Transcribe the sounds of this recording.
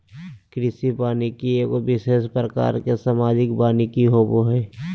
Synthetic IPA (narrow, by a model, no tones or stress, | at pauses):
kɾɪsipaːnikieːkobɪʃeːʃpɾəka̰ːɾkesaːmaːd͡ʒɪkbaːnikiɦoboɦɛː